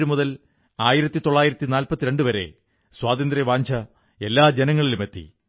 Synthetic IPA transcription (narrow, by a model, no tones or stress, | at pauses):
ɾumuðɐl | aːjiɾɐt̪ːit̪o̞ɭːaːjiɾɐt̪ːinaːlpɐt̪ːiɾe̞ɳɖɨʋɐɾe̞̰ | swaːðɐnd̪ɾɐʋaːɲd͡ʑʰʱɐ | e̞lːaːd͡ʑenɐŋːɐɭilume̞t̪ːḭ